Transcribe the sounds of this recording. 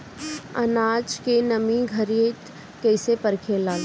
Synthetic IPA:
ɐ̰naːd͡ʒkenɐmĩɡʱəɾeːt̪ | kɛɪsepəɾkʰelaːɡe

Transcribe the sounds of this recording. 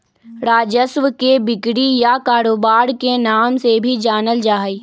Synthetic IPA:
ɾaːd͡ʒəsʋəkebɪkɽijakaːɾoːbaːɾkenaːmsebʱid͡ʒaːnəld͡ʒaːɦi

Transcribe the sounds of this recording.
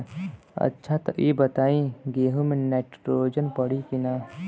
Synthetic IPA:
ɐ̰tːʃʰat̪ʔiːbɐt̪aːĩɡeːɦumẽneːʈɾoːd͡ʒənpɐɽikinaː

